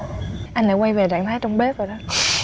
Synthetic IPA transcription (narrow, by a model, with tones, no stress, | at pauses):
ʔa˧ŋ̟la̰ː˧˥kwa˧jve˨˩za̰ː˧˨ŋt̪ʰaː˨˦jt͡ɕɔ˧wŋ͡mɓe˦˥zo˨˩ɗɔ˨˦